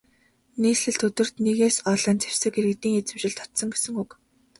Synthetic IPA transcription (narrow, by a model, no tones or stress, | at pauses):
niːsɮɘ̆ɮt̪ʰɵt̪ɵ̆r̥t̪neɣeːsɔɮə̆nt͡sew̥sɘ̆keɾɘ̆kt̪iːŋjat͡sɘ̆mt͡ɕɪ̆ɮt̪ʰɔ̥t̪sɞ̆ŋɡesɘ̆ŋuk